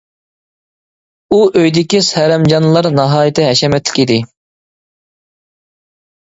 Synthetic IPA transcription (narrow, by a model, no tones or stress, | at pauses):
uʔøjd̪ɪkʲishɛɾɛmd͡ʒɑnlˠɑɾnɑɦɑːjɪt̪ʰɪɦɛʃɛmɛt̪lɪ̥kʲʰid̪ɪ